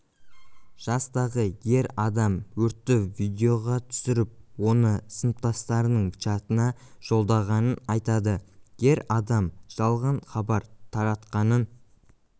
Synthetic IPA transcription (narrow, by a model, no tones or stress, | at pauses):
ʒ̥ɑst̪ɑʁəje̞ɾɑd̪ɑmwɵɾt̪ːɪvijd̪ʲeo̞ʁɑt̪ʰʏ̥sɪɾɪp̚wo̞nəsənəp̚t̪ɑst̪ɑɾənəɴt͡ʃɑt̪ənɑʒ̥o̞lˠd̪ɑʁɑnənɑjt̪ɑd̪əje̞ɾɑd̪ɑmʒ̥ɑlˠʁɑɴχɑbɑɾt̪ʰɑɾɑt̪qɑnən